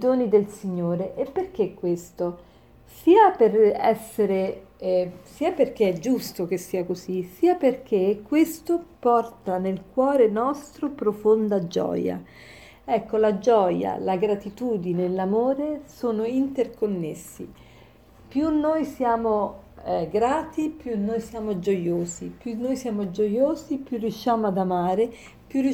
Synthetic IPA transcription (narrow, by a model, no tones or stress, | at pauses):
id̪oːnid̪elsiɲːoːɾeʔepːerk̟ekːwest̪o | siːaperɛ̰sːeɾe | siːaperk̟eɛd͡ʒust̪ok̟esːiːakozisiːaperk̟ekːwest̪opɔrt̪anelkwɔːɾenɔst̪ɾopɾofond̪ad͡ʒɔ̰ːja̰ | ɛkːolad͡ʒɔja̰laɡɾat̪it̪uːd̪inelamoːɾesoːnoint̪erkonːesːḭ | pjunːoːjsjaːmo | ɡɾaːt̪ipjunːoːjsjaːmod͡ʒojoːzipjunːoːjsjaːmod͡ʒojoːzipjurːijuʃːaːmoad̪amaːɾe | pjuu